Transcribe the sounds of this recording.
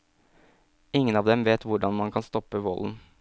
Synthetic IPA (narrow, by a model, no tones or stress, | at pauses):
ɪŋːənɑːʋd̪ɛmʋeːt̪ʋʊɖɑnmɑnkʰɑnst̪ɔpəʋɔln̩